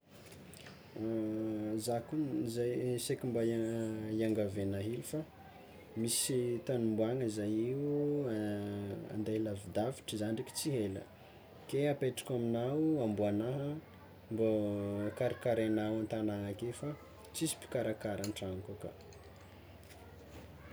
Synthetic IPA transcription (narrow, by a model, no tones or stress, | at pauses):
zakunzajsekʲimbaajaŋɡavenaɦilufa | misit̪anumbuaŋəizajiu | a̰nd̪alavid̪afi̥ʈ͡ʂizanɳɖ͡ʐiki̥t͡siɦelə̰ | keapeʈ͡ʂḁkʲaminawambuanaɦə | mbokaɾakaɾanawant̪anaŋakefa | t͡sisi̥pi̥kaɾakaɾanʈ͡ʂaŋkuka̰